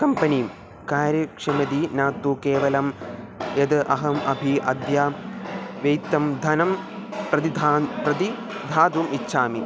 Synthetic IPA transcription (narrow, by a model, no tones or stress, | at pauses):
kɐmpɐniːm | kaːɾjɐkʂɐmɐd̪inaːt̪ːuːkeːʋɐlɐm | jɐd̪ɨʔɐɦɐmʔɐbʱiʔɐd̪jaː | ʋɐjt̪ːɐmd̪ʱɐnɐm | pɾɐd̪id̪ʱpɾɐd̪i | d̪ʱaːd̪ʋumitːʃʰaːmi